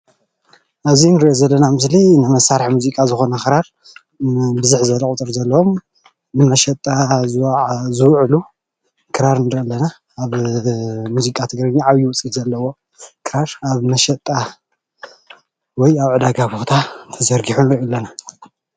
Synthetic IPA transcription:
ʔazinɨɾiʔozɐlːɐnamɨslinɨmɐsaɾħmuzikʼazɨxo̞nɐxɨɾaɾ | bɨzɨħzɐlɐut̪ʼɨɾzɐlːɐwom | nɨnɐʃɐt̪ʼazɨwzɨwʕlu | kʰɨɾaɾnɨɾʔɐlːɐnaː | β | muzikʼat̪ʰɨɡɾɐɲiʕaβjuwʊt͡sʼizɐlːɐwo̞ | kʰɨɾaɾaβnɐʃɐt̪ʼa | wɔjaβʕɨd̪aɡabo̞t̪ʰat̪ʰɐzɐɾɡiħunɨɾiʔolːɐna

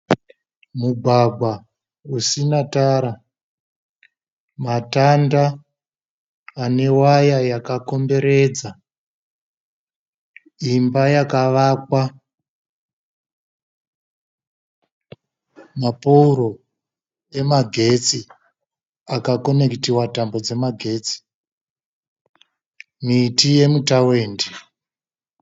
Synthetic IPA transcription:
mubʱaɡʱwa | usinataːɾa | matanda | ne̞wajajakako̞mbe̞ɾe̞ːd͡za | imbajakaʋaːkwa | mapouɾo̞ | e̞maɡʱe̞t͡si | akako̞ne̞ktiwatambo̞d͡ze̞maɡʱe̞ːt͡si̥ | mitije̞mutaweːndi

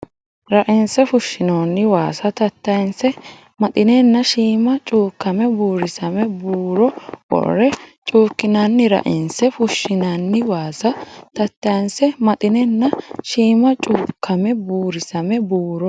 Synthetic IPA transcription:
ɾɐʔɪnsɛfʊʃːɪnoːnːɪwaːsɐt̪ɐt̪ːɐjnsɛ | mɐt̪ʼɪnɛnːɐʃiːmɐt͡ʃʼuːkːɐmɛbuːɾɪsɐmɛbuːɾɔʔɔ̰rːɛt͡ʃʼuːkːɪnɐnːɪɾɐ̰ʔɪnsɛfʊʃːɪnɐnːɪwaːsɐt̪ɐt̪ːɐjnsɛmɐt̪ʼɪnɛnːɐʃiːmɐt͡ʃʼuːkʰːɐmɛbuːɾɪsɐmɛbuːɾɔ

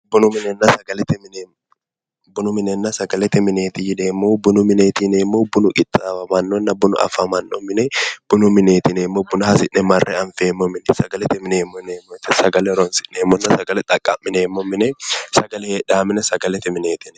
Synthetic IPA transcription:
bʊnʊmɪnɛnːɐsɐɡɐlɛt̪ɪmɪnː | bʊnʊmɪnɛnːɐsɐɡɐlɛt̪ːɪmɪneːt̪ɪjɪdeːmːoːbʊnʊmɪneːt̪ineːmːoːbʊnʊkʼɪt̪ʼːaɐmɐnːɔnːɐbʊnʊ̰ʔɐ̰fɐmɐnːɔ̰mɪnɛb̥ʊnʊmɪneːt̪ɪneːmːobʊnʊhɐsɪʔnɛmɐrːʔɛ̰ɐnfeːmːɔmɪnɛsɐɡɐlɛt̪ɪmɪneːmːɔneːmːɔt̪ɪsɐɡɐlɛɾɔnsɪ̥ʔneːmːɔnːɐsɐɡɐlɛt̪ʼɐkʼːɐmːɪneːmːɔmːɪnɛsɐɡɐlɛheᶑaːmɪnɛsɐɡɐlɛt̪ːɪmɪneːt̪ɪnɛ̥

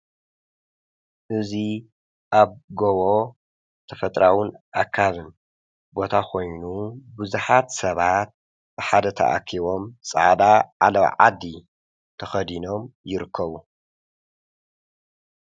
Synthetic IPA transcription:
ʔɨzi | ʔaβɡowo | t̪ʰɐfɐt̪ʼɾawɨnʔakʰaβɨn | bo̞t̪ʰakʰo̞jnubɨzuħat̪sɐβat̪̚ | bɨħad̪ɐt̪ʰɐ̰ʔa̰kʰiβo̞msʼɨ̰ʕd̪aʕalɐwʕa̰d̪ːi | t̪ʰɐxɐd̪ino̞mjɪɾɨkʰːɐβu

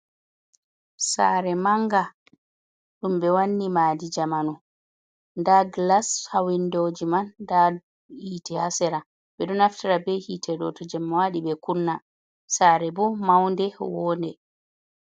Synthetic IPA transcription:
sa̰ɾɛmaŋɡa | ɗumbɛwanːimaːdid͡ʒamanu | ndaɡlashawindod͡ʒimanda | hiːtɛhasɛɾa | bɛɗɔnaftaɾabɛhitʰɛɗɔ̰tɔd͡ʒɛmːwaɗibɛkunːa | saːɾɛbɔmawndɛwɔːndɛ

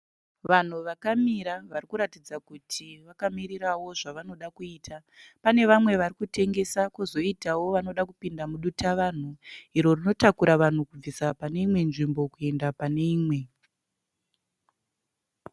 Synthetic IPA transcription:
ʋan̤uʋakamiɾaʋarikuɾatid͡zakutʰiʋakamiɾiɾawo̞ʐaʋano̞ɗakuiːtʰa | pane̞ʋamwe̞ʋarikute̞ŋɡe̞sakuzo̞itawo̞ʋano̞ɗakupindamuɗutaʋan̤uɦiɾo̞rino̞takuɾaʋan̤ukub͡visapane̞imwe̞nʐimbo̞kue̞ndapane̞iːmwe̞

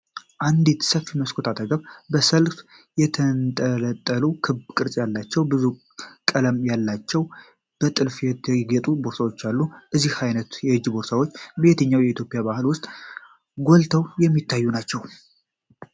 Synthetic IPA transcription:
ʔand̪it̪səfiməskʰot̪ʰat̪ʼəɡəβbəsəlf | jɛt̪ʰənt̪ʼələt̪ʼːəlukʰɨbkʼɨɾsʼjalːat͡ʃːɛwbɨzu | kʼələmjalːat͡ʃːɛw | b̥ət̪ʼɨlfjɛəɡət̪ʼuboɾsawot͡ʃːalːuʔɨzːihajnət̪jɛhɨd͡ʒːboɾsawot͡ʃːbet̪ʰəɲːawjɛit̪jo̞pʼijabahɨlwʊst̪ʼ | ɡolt̪ʰəwjɛmːit̪ʰːajːunat͡ʃːɛw

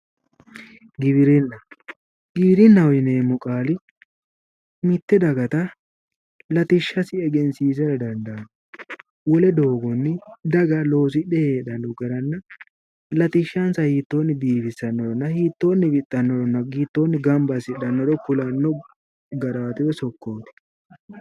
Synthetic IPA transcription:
ɡɪβɪɾɪnːɐ | ɡɪbɪɾɪnːɐwɔjɪneːmʊkʼaːlɪ | mɪt̪ːɛd̪ɐɡɐt̪ɐ | lɐt̪ɪʃːɐsɪɛɡɛnsiːs̬ɛɾɐd̪ɐnd̪ɐn | wɔlɛd̪o̞ːɡɔnːɪd̪ɐɡɐlo̞ːs̬ɪɗɛheːᶑɐnɔɡɐɾɐnːɐ | lɐt̪ɪʃːɐnsɐhiːt̪ːoːnːɪd̪iːfɪsːɐnːɔdɔnːɐhiːt̪ːo̞ːnːɪbɪt̪ʼːɐnːɔdɔnːɐɡiːt̪ːoːnːɪɡɐmbɐsɪɗɐnːɔd̪ɔkʊlɐnːɔ | ɡɐɾaːt̪ɪwɛsɔkːoːt̪ɪ̥

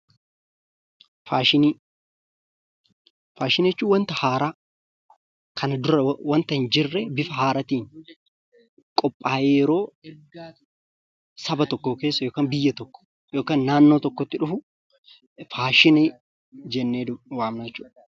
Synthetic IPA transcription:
faːʃɪni | faːʃɪnɛt͡ʃːuːwɐnt̪ɐhaːɾaː | kʰɐnɐd̪ʊɾɐwɐnt̪ɐɪnd͡ʒɪrːɛbɪfɐɦaːɾɐt̪iːn | kʼɔpʼːaːjeːjɛɾo̞ː | sɐbɐt̪ɔkːoːke̞ːsːɐjoːkaːnbɪjːɐt̪ɔkːɔ̥ | jo̞ːkaːnːaːnːo̞ːt̪ɔkːɔt̪ːɪᶑʊfʊ | faːʃɪnɪ | d͡ʒɛnːeːwaːmnɐɛt͡ʃːuːᶑɐ

